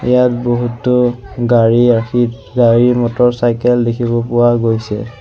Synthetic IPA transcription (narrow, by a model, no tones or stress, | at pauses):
ɛ̰jat̚boɦutːɔɡaɹiaki | ɡaɹiɹmɔtɔɹsajkɛldekʰibɔpʊwaɡojsɛ̰